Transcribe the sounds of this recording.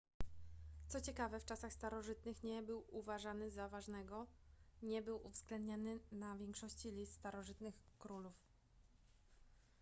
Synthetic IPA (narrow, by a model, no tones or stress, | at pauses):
t̪sɔt͡ɕɛkavɛft͡ʂasaxst̪aɾɔʐɘt̪nɘxɲɛbɘwuvaʐanɘzavaʐnɛɡɔɲɛbɘwuvzɡlɛnd̪ɲanɘnavʲjɛŋkʂɔɕt͡ɕilʲist̪ːt̪aɾɔʐɘt̪nɘxkɾuluf